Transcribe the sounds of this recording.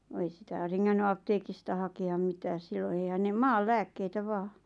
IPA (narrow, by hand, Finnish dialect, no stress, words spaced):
ʋ̆ɑ̆ ei sitæˑ reŋːænːy ɑpteːkistɑ hɑkeɑm mitæːs silːon̆ eihæn ne mɑːl læːkːeitæ ʋɑː